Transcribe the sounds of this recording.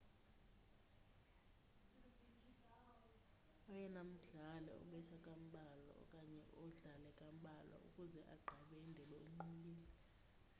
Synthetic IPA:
ɔjɛnam̩ɮalɛ̰ɔ̰ɓɛtʰakʼam̩ɓʱalɔ̰kʼaɲɛɔɮalɛkʼam̩ɓʱalɔ̰ṵkʼuzɛʔaɡ͡ǃʱaɓɛindʱɛɓɛum̩ŋ͡ǃuliːli

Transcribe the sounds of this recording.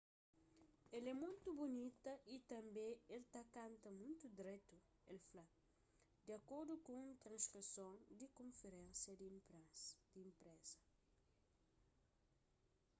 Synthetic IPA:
ɛlɛmũnt̪ubunit̪ɐʔit̪ɐ̃mbẽelt̪akãnt̪ɐmũnt̪ud̪ɾet̪u | elfla | d̪iɐkoɾd̪ukõũnt̪ɾɐ̃nskɾisõnd̪ikõɱfeɾẽnsjɐd̪ɾd̪̥ĩːmpɾɛsɐ

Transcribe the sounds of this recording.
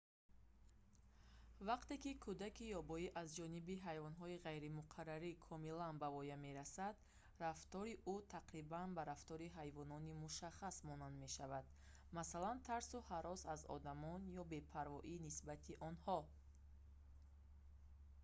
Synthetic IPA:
vaqt̪e̞kikʰud̪akijɔbɔiʔazd͡ʒɔnibiɦajvɔnɦɔiʁajɾimuqʰaɾːaɾikʰɔmilanbavɔjame̞ɾasad̪ | raft̪ɔɾiʔut̪ʰaqɾibanbaɾaft̪ɔɾiɦajvɔnɔnimuʃaχasmɔnand̪me̞ʃavad̪ | masalant̪ʰaɾsuhaɾɔsazɔ̰d̪amɔnjɔbe̞pʰaɾvɔʔinisbat̪ʰiʔɔnhɔ

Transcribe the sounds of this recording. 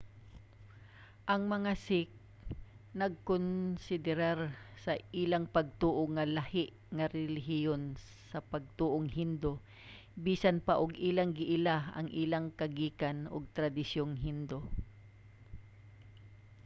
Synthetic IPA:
ʔɐŋmɐŋasɪk̚ | nɐɡ̚konsɪd̪ɪɾaɾsɐʔiːlaŋpɐɡ̚t̪uːʔoŋalahɪʔ | ŋaɾɛlɪɦɪjon | sɐpɐɡ̚t̪uːʔoŋhɪnd̪o | biːsanpaʔʊɡʔiːlaŋɡɪʔɪlaɐ̰ŋʔiːlaŋkɐɡiːkanʔʊ̰ɡ̚t̪ɾad̪ɪsjoŋɦɪnd̪o

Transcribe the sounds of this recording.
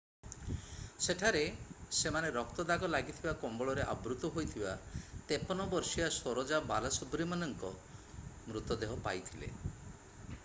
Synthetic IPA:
seʈʰaɾesemaneɾɔkt̪ɔd̪aɡɔlaɡit̪ʰibakombɔɭɔɾeʔa̰bɾut̪ɔɦojt̪ʰibat̪epɔnɔbɔɾsijasoɾɔd͡ʒabalasɔbɾimanɔŋkɔ | mɾut̪ɔd̪eɦɔpa̰jt̪ʰilḛ

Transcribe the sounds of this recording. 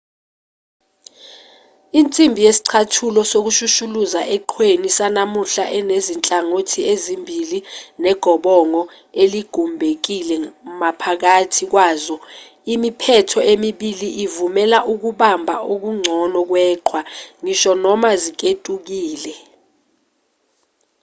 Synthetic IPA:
int͡sʼimbʱijesi̥ǀʰatʰulɔsok̬uʃuʃuluzaʔɛǃʰwenisanamuɬaʔɛnezint͡ɬʼaŋotʰiezimbʱilinɛɡ̥ʱɔɓɔŋɔ | eliɡ̥ʱumbʱek̬ilɛmapʰak̬atʰik̬waːzɔ | imipʰɛtʰɔʔemiɓiliʔivumɛlaʔuk̬uɓambʱaʔok̬uŋ͡ǀʱɔnɔk̬wɛːǃʰwaŋiʃɔnɔmazik̬ʼetʼuk̬iːlɛ

